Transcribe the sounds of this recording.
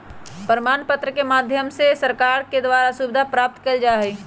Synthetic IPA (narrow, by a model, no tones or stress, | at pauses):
pəɾmaːnpət̪ɾəkemaːd̪ʱjəmsesəɾkaːɾked̪waːɾasubɪd̪ʱapɾaːp̚t̪kəld͡ʒaːɦeː